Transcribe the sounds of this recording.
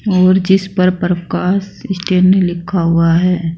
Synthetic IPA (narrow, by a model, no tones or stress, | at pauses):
ɔːɾd͡ʒɪspɐɾpɾəkaːsɪsʈeːɾnelɪkʰːaɦʊaɦɛː